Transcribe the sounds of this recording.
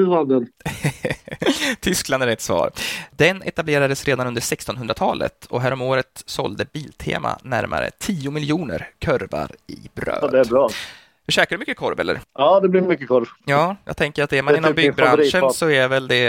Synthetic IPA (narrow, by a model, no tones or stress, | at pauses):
vad̪ɛn | t̪ʰʏskland̪æɾɛt̪svɑ̰ːɾd̪ɛnɛ̰t̪ableːɾad̪əsɾeːd̪anɵnd̪əɾʂɛkst̪ɔnɦɵnd̪ɾat̪ʰɑːlə̰t̪ɔɦæːɾɔmoːɾət̪sɔ̰ld̪əbiːlt̪ʰḛːma̰næɾma̰ɾə̰t̪ʰiːʊmɪlɪuːnə̰ɾkʰœɾva̰ɾɪbɾø̰ːd̪ɛæbɾɑː | dɵɕɛːkaɖɵmʏkːəkʰɔɾvɛ̰lːə̰ɾɑːd̪ɛblɪɾmʏkːəkʰɔɾvjɑːjɑ̰ːɡt̪ʰɛŋkəɾat̪d̪ɛɾmanɪnːɔmbʏɡbɾanʂənsɔævɛld̪ɛ